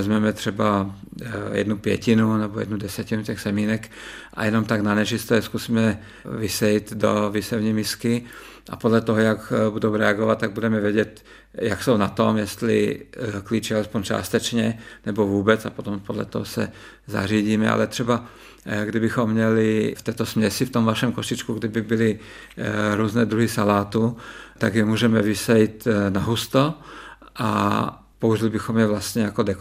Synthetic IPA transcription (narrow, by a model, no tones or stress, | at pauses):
ɛzmɛmɛt̪r̥ɛba | jɛ̰d̪nupjɛ̰cɪnunɛbojɛ̰dnudɛsɛcɪnucɛxsɛmiːnɛk | ʔa̰jɛno̞mt̪aɡnanɛt͡ʃɪst̪ɛskusiːmɛ | vɪsɛjit̪do̰vɪsɛvɲimɪskɪ | ʔa̰podlɛt̪oɦojakbudowɾɛaɡovat̪̚t̪ːaɡ̚budɛmɛvjɛɟɛt̪ | jaksownat̪o̞mjɛst̪lɪ̰klit͡ʃɛalɛspoɲt͡ʃa̰ːst̪ɛt͡ʃɲɛnɛbovuːbɛt͡sapot̪ompodlɛ̰t̪oɦosɛ̰ | za̰riːɟiːmɛʔa̰lɛt̪r̝̥ɛba | ɡdɪbɪxomːɲɛlɪft̪ɛːt̪osmɲɛsɪft̪omvaʃɛmkoʃɪt͡ʃkuɡdɪbɪbɪlɪ | ɾuːznɛːd̪ɾuɦɪsalaːt̪ut̪aɡjɛmuːʒɛmɛvɪsɛjit̪naɦust̪o | ʔa | pouʒɪlɪbɪxomjɛvlast̪ɲɛjakodɛk